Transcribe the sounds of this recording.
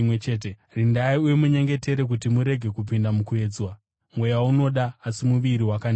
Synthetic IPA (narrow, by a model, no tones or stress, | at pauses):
et͡ʃeːt̬e | rindaiujemuɲe̞ŋɡe̞te̞ɾe̞k̬utimuɾe̞ɡʱe̞kupindamukue̞ːd͡zwa | mwe̞jauno̞ɗaːsimuʋiɾiwakan